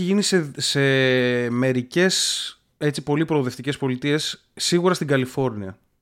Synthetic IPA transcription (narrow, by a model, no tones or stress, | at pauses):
iʝinisese̞me̞ɾice̞s | e̞t͡sipo̞lipɾo̞oːðe̞ft̪ice̞spo̞lit̪ie̞sː | iɣuɾɐst̪iɡɐlifo̞ɾniɐ̰